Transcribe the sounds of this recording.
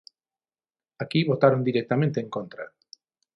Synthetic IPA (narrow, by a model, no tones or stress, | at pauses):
akiβot̪aɾond̪iɾek̚t̪amẽnt̪eːŋkõnt̪ɾa̰